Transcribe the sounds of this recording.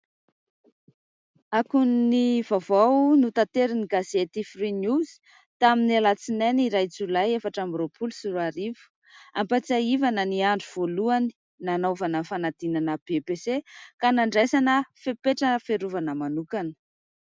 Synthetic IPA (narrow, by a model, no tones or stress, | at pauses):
akunniv̥avawnut̪at̪eɾiniɡazet̪ifrinjuzi̥ | t̪aminalat͡sinaniɾajt͡sulajefaʈ͡ʂambɾopʰulusuɾaɾivu̥ | ampat͡saivanəniaɳɖ͡ʐuv̥oluani̥ | nanovanəfanad̪̥inanəb̥epesekanaɳɖ͡ʐejsanəfepeʈ͡ʂəfeɾuvanəmanukanə̥